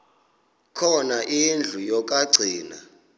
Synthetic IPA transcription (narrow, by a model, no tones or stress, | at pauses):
kʰɔnaʔind͡ɮʱujɔkʼaɡ͡ǀʱiːna